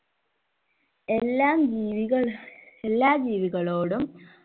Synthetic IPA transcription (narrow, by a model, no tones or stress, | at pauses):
elːaːmd͡ʑiːʋiɣɐɭelːaːd͡ʑiːʋiɣɐɭoːɽum